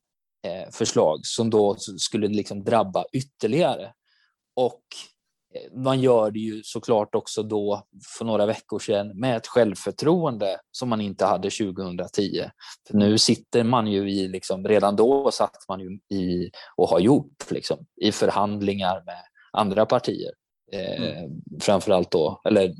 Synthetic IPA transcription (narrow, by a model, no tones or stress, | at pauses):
fœʂɭɑ̰ːɡsɔmd̪ɔskɵlːəlɪksɔmd̪ɾabːaʔʏt̪ːəɭɪɡaɾə | ɔk | manjœːɖɛjɵsɔkʰlɑːʈɔksɔd̪ɔfœɳoːɾavɛkːʊʂɛnmɛɛt̪ɧɛlvfœʈʰɾuːənd̪əsɔmːanɪnt̪əhad̪ːəɕʉ̟ːɡəhɵnd̪ɾat̪ʰiːə̰fœɳʉ̟ːsɪt̪ːəɾmanjɵɪlɪksɔmɾeːd̪and̪ɔsat̪ːmanjɵɪɔhaɾjʊʈːlɪ̰ksɔmɪfœɾhand̪lɪŋaɾmɛ | ʔa̰nd̪ɾapʰaʈʰḭːə̰ɾ | fɾamfœɾalt̪̚d̪ɔɛlːəɾ